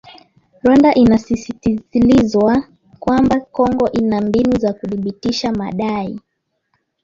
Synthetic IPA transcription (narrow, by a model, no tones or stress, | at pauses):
ɾwandaʔinasisitiilizwa | kwambakɔŋɡɔʔinambinuzakuθiɓitiʃama̰ɗai